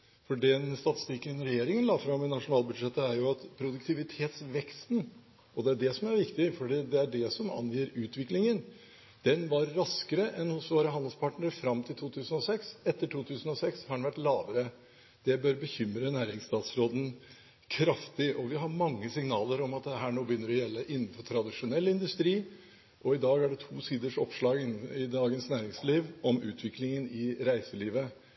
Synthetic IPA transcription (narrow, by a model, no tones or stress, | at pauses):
fɔɖɛnst̪ɑt̪ɪ̥st̪ɪkənɾɛjeːɾɪŋənlɑːfɾɑmːɪnɑʂʊnɑːlˠbʉd̪ʂɛt̪ːəæɾjʊɑt̪pʰɾʊd̪ʉk̚t̪ʰɪʋɪt̪ʰeːt̪sʋɛkst̪n | ɔd̪ɛæɖɛsɔmæɾʋɪkt̪ɪəfɔɖiːd̪ɛæɖɛsɔmɑ̰njiːɾʉːt̪ʰʋɪklɪŋən | d̪̥ɛnʋɑɾːɑskəɾəʔɛnhʊsʋoːɾəɦɑnd̪əlspʰɑʈnəɾəfɾɑmt̪ʰɪlt̪ʰuːt̪ʰʉːsənɔsɛksɛt̪ːəʈʰuːt̪ʰʉːsənɔsɛkshɑɖɛnʋæʈlɑːʋəɾə | d̪̥ɛbœɾbəçʏmɾənæːɾɪŋst̪ɑːt̪sɾoːd̪n̩ | kʰɾɑft̪ɪʔɔʋɪɦɑɾmɑŋːəsɪŋnɑːləɾɔmɑt̪̚d̪ɛɦæːɳoːbəjʏnːəɾɔjɛlːəʔɪnːnfɔʈʰɾɑd̪ɪʂʊnɛlːɪnd̪ʉst̪ɾiː | ʔɔɪd̪ɑːɡæɖɛt̪ʰuːsiːd̪əʂɔ̰pʂlɑːɡɪnɪd̪ɑːɡənsnæːɾɪŋsliːʋʔɔmʉ̰ːt̪ʰʋɪklɪŋənɪɾæɪsəliːʋə